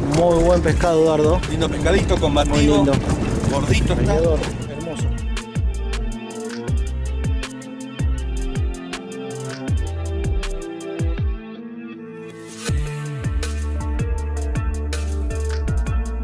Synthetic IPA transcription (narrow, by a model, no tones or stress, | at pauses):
mujβwe̞mpeskaðoðaɾðolind̪opehkaðit̪okombat̪mujlind̪oɡoɾðit̪oeðaɾoeɾmoso